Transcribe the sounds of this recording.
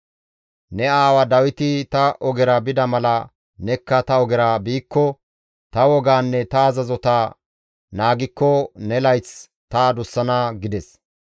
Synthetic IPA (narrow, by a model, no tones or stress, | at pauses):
nɛaːwɐd̪ɐwɪt̪ɪt̪ɐʔɔɡɛɾɐbɪd̪ɐmɐlɐ | nɛkːɐt̪ɐɔɡɛɾaːbiːkːɔ | t̪ɐwɔɡaːnːɛt̪ɐːzɐzɔt̪aː | naːɡɪkːɔnɛlɐjt͡s | t̪aːd̪ʊsːɐnɐɡɪd̪ɛs